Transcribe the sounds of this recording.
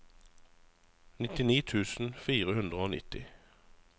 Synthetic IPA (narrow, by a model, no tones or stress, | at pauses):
nɪt̪ɪniːt̪ʰʉːsn̩fiːʁəhʉnd̪ʁəoːnɪ̰t̪ɪ